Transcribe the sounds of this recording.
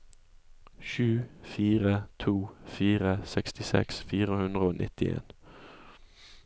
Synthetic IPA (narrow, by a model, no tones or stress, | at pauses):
ʃʉːfiːʁət̪ʰuːfiːʁəsɛkst̪ɪsɛ̰ksfiːʁəhʉnd̪ʁəoːnʔɪ̰t̪ɪḛːn